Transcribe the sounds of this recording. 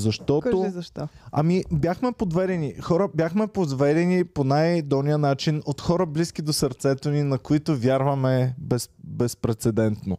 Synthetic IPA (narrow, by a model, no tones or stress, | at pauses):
zɐʃt̪ɔtk̪ozɐʃt̪ɔɐ̰mibjaxmɛpod̪vɛd̪ɛnixɔɾəbʲjaxmɛpod̪vɛd̪ɛniponajd̪ɔnijənat͡ʃinot̪xɔɾəbliskʲid̪osəɾt̪sɛt̪oninɐkoit̪ovʲjaɾvɐmɛbɛsbɛspɾɛt̪sɛd̪ɛnt̪no